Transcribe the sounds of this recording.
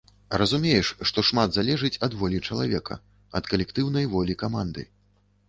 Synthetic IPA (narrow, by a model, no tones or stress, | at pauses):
rɐzumʲejɛʂʂt̪ɔʂmad̪zalʲɛʐɨt͡sʲɐd̪vɔlʲit͡ʂɐlˠa̰vʲɛkʰɐ̰ | ɐt̪kɐlʲɛkt̪ɨwnɐjvɔlʲikamand̪ɨ̰